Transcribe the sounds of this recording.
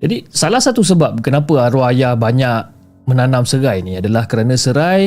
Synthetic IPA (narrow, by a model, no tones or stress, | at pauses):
d͡ʒadisalahsat̪us̬əbap̚kənapəaɾuajahbaɲak̚ | mə̃nanãmsəɾajnĩadalahkəɾanə̃səɾaj